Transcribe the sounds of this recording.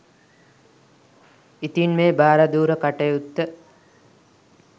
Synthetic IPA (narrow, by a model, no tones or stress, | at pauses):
it̪inmeːbaːɾad̪uːɾəkaʈejut̪ːə